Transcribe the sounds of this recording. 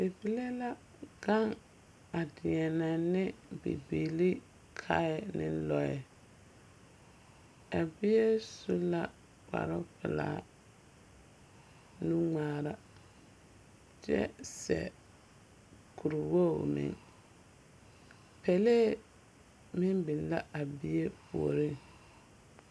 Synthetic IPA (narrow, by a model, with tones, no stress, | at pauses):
e˨bi˨le˦la˦ | ɡa˦ŋ | a˨dɪ˨ɛ˨nɛ˨nɪ˦bḭ˨bi˨li˦ | kʰa˦ɛ˦˨nɪ˦lɔ˨ɛ˨ | a˨bɪ˦je˦su˦la˦ | k͡pa̰˨ɾʊ˦pɪ˨la̰ː˨˦ | nu˦ŋaː˦ɾa˦ | t͡ʃɛ̰˦sɛ̰˨ | kʰu˨ɾu˨wo˦˨mɪ̰˨ŋ | pɛ˨le˦ | mɪ˦mbɪ˨nla˦ʔa˨bɪ˦je˦pu˨o˨ɾi˦˨ŋ